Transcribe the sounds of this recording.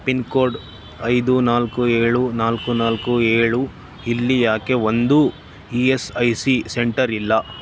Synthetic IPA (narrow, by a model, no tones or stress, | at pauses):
pinkoːɾɖ | ɐjd̪unaːlkueːɭunaːlkunaːlkueːɭu | ilːijaːke̞ʋond̪u | iesɐjsiseɳʈɐɾilːɐ